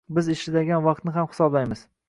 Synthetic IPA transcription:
bɪzɪʃlɪd̪aɡʲanvɑq̚t̪nɪɦamhɪ̥sɒblajmɪz

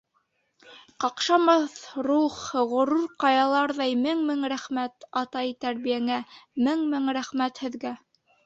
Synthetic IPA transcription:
qɑqʃɑmɑθruχʁŏɾuɾqɑjɑlˠɑɾðɑjmɘŋmɘŋɾæχmæt̪ɑt̪ɑjt̪æɾβijæŋæmɘŋmɘŋɾæχmæt̪hɘ̆ðɡæ

